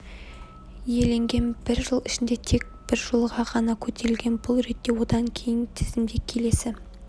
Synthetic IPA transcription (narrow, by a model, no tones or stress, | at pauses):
je̞le̞ŋɡʲe̞nbɪɾʒəlˠɪʃɪnd̪e̞t̪ʰe̞k̚b̥ɪɾʒolˠʁɑʁɑnɑkʲʰɵt̪ʰe̞ɾɪlɡʲe̞nbʊlˠɾe̞t̪ːe̞wo̞d̪ɑŋkʲʰe̞jɪnt̪ʰɪ̥z̥ɪmd̪e̞kʲʰːe̞le̞sɪ